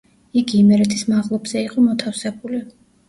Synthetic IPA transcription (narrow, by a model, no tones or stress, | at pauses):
iɡiːmɛɾɛt̪ʰismaʁlˠɔbz̥ɛiqʼɔmɔt̪ʰafsɛbuli